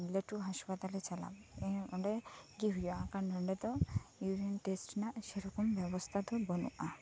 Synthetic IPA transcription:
leʈuɦaspat̪alet͡ʃala̰beɔɖeɡiɦujɔãkanɖɔɳɖet̪ɔuɾenʈesʈnaʔseɾɔkɔmbɛbɔst̪ʰat̪ɔbɔnṵʔa

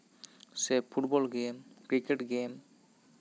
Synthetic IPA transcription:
sɛpʰuʈbɔlɡemkɾikeʈɡem

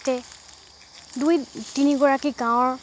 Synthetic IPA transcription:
tɛ | dujtiniɡɔɹakiɡãw̃ɔɹ

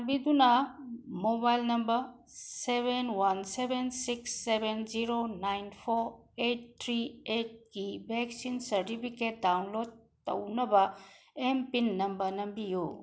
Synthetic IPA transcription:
mbidunɐmobajlnɐmbɐɾ | sebenwansebensiksːebenziɾonajnpʰoɾet̚t̪ʰɾiet̚ɡibʱeksinsɐɾtipʰiket̚dawnlod̚ | tɐ̰wnɐbɐempinːɐmbɐɾnɐmbiju

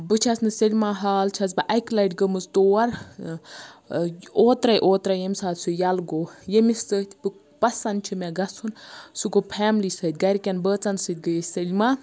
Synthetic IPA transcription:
bɨt͡ʃʰɐsnɨsɐlʲmaːɦaːlt͡ʃʰɐzbɐʔɐjklɐjʈɡəmɨzt̪oːɐɾ | oːt̪ɾɐjʔoːt̪ɾɐjemʲsaːt̪sujalɡoːjemisːəːt̪ʲʰpɨk | pɐsɐnt͡ʃʰimeɡɐsʰunsukopʰaːmlisəːt̪̚ʲɡɐɾʲikʲɐnbəːt͡sɐnsət̪̚ʲɡəjeselʲmaː

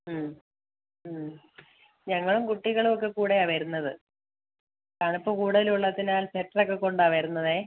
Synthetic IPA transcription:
mː | ɲɐŋːɐɭumkuʈːiɣɐɭumok̬ːekuːɽeɐʋɐɾunːɐðɨ | kaːɳipːo̞ːkuːɽɐðiluɭːɐðinaːlseʈːrokːekːo̞ɳɖaʋɐɾunːɐðeː

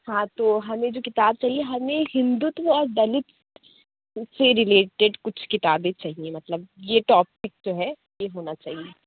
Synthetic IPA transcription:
hãt̪oːɦɐmẽd͡ʒoːkɪt̪aːb̚t͡ʃaːɦieɦɐmẽɦɪ̃nd̪ʊt̪ʋɔːɾd̪ɐlɪt̪ | seɾɪleːʈeɖkʊt͡ʃʰkɪt̪aːbẽt͡ʃaːɦiẽmɐt̪ləb̚jeʈɔːp̚ɪk̚d͡ʒoːɦɛ | jeɦoːnat͡ʃa̰ːɦie

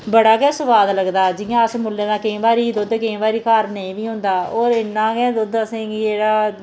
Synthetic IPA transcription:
bəɽaːkɛːsəʋaːd̪ləɡd̪aːd͡ʒɪjãːəsmʊlːeːnãːkəĩːbaːɾiːd̪od̪ekə̃ːʋaːɾiːkaːɾneĩːʋiːɦʊ̃nd̪aːoːɾɪnːãːɡɛ̃ːd̪od̪əsẽːɡieːɽaː

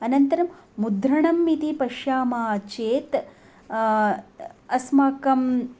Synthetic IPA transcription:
ɐnɐnt̪ɐɾɐmːud̪ɾɐɳɐmːit̪ipɐʃjaːmaːt͡ʃeːt̪ | ɐsmaːkɐm

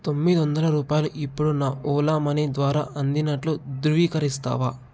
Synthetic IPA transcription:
t̪o̞mːid̪iʋɐnd̪ɐlɐɾuːpaːjɐluʔipːuɽunaːʔɔːlaːmɐnid̪ʋaːɾaːʔɐnd̪inɐʈlud̪ɾuʋiːkɐɾist̪a̰ːʋaː

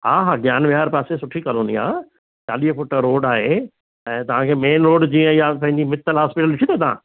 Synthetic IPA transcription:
ɦaːɦaːɡjaːnʋɪɦaːɾpaːsesʊʈʰikɐlõːnia̰ː | t͡ɕa̰ːliɦəfʊʈəɾoːɖaːɦe | ɛ̃ːt̪ɐʋ̤ãkʰeːmeːnɾoːɖd͡ʑiːə̃japɐ̃ɦɪ̃ɲd͡ʑimɪt̪ːəlɦaːspɪʈəlɪʈʰit̪ot̪ɐã̰ː

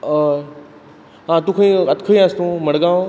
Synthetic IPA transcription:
ɦãt̪ũkʰĩɐt̪kʰəiãst̪ũmɐɽɡaːõ

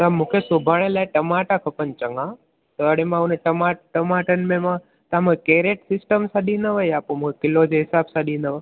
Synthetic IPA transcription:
t̪amũːkʰesʊbʱaːɽ̃ẽlaːeʈəmaːʈakʰəpənt͡ʃəŋɡã | t̪əəɽeːmãuneʈəmaːʈəmaːʈənmẽmã | t̪ãmũkʰekeːɾeːʈsɪsʈəmsãɗĩːnəʋəjaːpõmũːkʰekɪlod͡ʒeɦɪsaːbsãɗĩːnəʋə

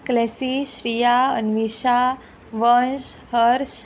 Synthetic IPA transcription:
klɛsiɕɾijaənʋiɕa | ʋənɕhəɾɕ

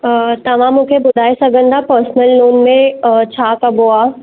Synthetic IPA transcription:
t̪ɐʋ̤ãmũːkʰebʊd̪ʱaːisɐɡʱə̃nd̪ʱapɐɾsnəlnoːnmẽt͡ɕʰaːkɐboaː

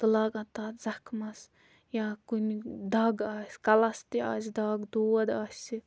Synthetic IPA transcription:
t̪ɨlaːɡɐt̪aːt̪zɐkʰmɐs | jaːkunʲd̪ɐːɡaːsʲkɐlɐst̪ia̰ːzʲd̪aːɡd̪uːɐd̪aːsʲi

